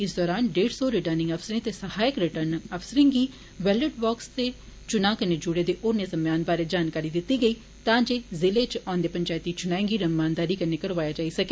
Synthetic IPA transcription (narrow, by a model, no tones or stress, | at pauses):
ɪsd̪ɔːɾaːnɖeːʈsoːɾɪʈəɾnɪ̃ŋɡəpʰsɾẽːt̪eːsəhaːjəkɾɪʈəɾnəpʰsəɾẽːŋɡiː | ʋɛːləɖbɔːkst̪eː | t͡ʃʊnaːkəneːd͡ʒʊɽeːd̪eːʔoːɾnezəmjaːnbaːɾeːd͡ʒaːnkaːɾiːd̪ɪt̪ːiːɡəiː | t̪ãːd͡ʒeːzɪleːt͡ʃɔ̃ːnd̪eːpəɲt͡ʃaːjt̪ːiːt͡ʃʊnãːẽŋɡiːɾəmaːnd̪aːɾiːkəneːkəɽʋaːjaːd͡ʒaːiːsəkeː